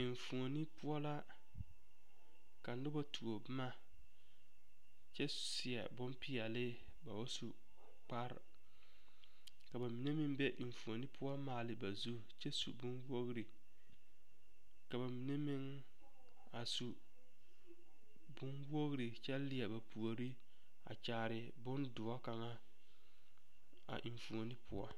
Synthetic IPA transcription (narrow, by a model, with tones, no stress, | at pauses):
ɪ˨ɱ˨fu˨o˨ni˦pʊ˦ɔ˦la˦ | ka˨nʊ˦ba˦tʰu˨o˨bɪ˦ma˦ | t͡ʃɛ˦ | sɪ˨ɛ̰˨bʊ˦mpɪ˦ɛ˨lɪ˦ | ba˨ba˦su˨ | k͡pa˦ɾ̰ | ka˨ba˨mi˨ne˦mɪ˦ŋbɛ˦ʔɪ˨ɱ˨fu˨o˨ni˦pʰʊ˦ɔ˦maː˨lɪ˨˦ba˨zu˦ | t͡ʃɛ˦sṵ˨bʊ˦nwo˦ɣɾi˨ | ka˨ba˨mi˨ne˦mɪ˦ŋ | a˨su˨ | bʊ˦nwo˦ɣɾi˨t͡ʃɛ˦lɪ˨ɛ˨ba˨pʰu˨o˨ɾi˦ | a̰˨t͡ʃaː˨˦˨ɾɪ˨ | bʊ˦ndʊ˨ɔ˦ka˨ŋa˦ | a̰˨ʔi˨ɱ˨fu˨o˨nɪ˦pʰʊ̰˦ɔ˦